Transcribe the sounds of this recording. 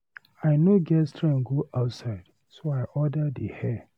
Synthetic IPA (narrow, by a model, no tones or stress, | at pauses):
aɪnoɡɛstʰɹɛ̃nɡoʔaʊtsaɪd̥ | soaɪʔɔdədəhɛ